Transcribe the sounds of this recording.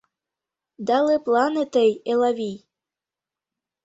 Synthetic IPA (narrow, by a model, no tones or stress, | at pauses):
d̪ɑleplɑnet̪əjelɑβij